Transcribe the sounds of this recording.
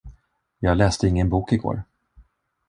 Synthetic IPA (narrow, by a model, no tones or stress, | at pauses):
jɑːɡlɛːst̪əɪŋːənbuːkɪɡo̰ːɾ